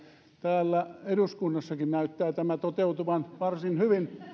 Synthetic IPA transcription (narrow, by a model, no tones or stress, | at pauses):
t̪æːlːæeduskunːɑsːɑkinnæyt̪ːæːt̪æmæt̪ot̪eut̪uʋɑnʋɑrsinhyʋin